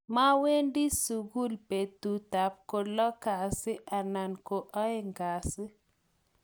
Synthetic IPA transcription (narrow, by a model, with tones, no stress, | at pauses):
ma˦we˦ndi˦su˨ɡu˦lpe˨tu˨ta˨p̚ko˧lɔ˦ka˨si˦ʔa˨na˨nko˨ʔɔ˦e˦ŋɡa˨si˦